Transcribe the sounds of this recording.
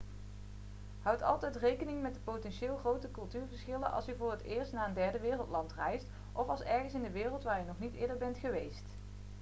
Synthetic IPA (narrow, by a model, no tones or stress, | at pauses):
ɦʌwtɑ̰lˠtɛjtrejkənɪŋmɛt̚dəpotɛnʃɪːlˠχrowtəkɵlˠtyːɹvəɹsχɪlənʔɑ̰lˠsyvʊːrətɪːɹstnaːəndɛɹdəʋɪːrəlˠtlɑntrɛjst | ʔɔfɑlˠsɛɹχənsɪndəʋɪːrəlˠtʋaːɹjənɔχnitɪːɹdəɹbɛntχəʋejst